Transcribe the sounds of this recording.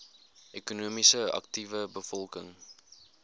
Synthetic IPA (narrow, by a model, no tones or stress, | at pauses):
ʔekunuəmisəɐ̰ktivəbəfɔlˠkəŋ